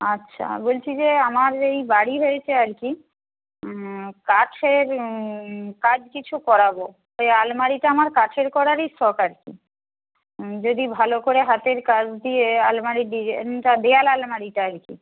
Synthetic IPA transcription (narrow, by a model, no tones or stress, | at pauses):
atːɕʰʃʰa̰bolt͡ɕʰid͡ʑeamaɾejbaɽiɦojet͡ɕʰeaɾki | kaʈʰeɾ | kad͡ʑkit͡ɕʰukɔɾabo | ojalmaɽiʈaamaɾkaʈʰeɾkɔɾaɾisɔkaɾkḭ | d͡ʑod̪ibʱalokoɾeɦat̪eɾkad͡ʑʰd̪iealmaɽiɖiɾʈad̪ejalalmaɽiʈaaɾkḭ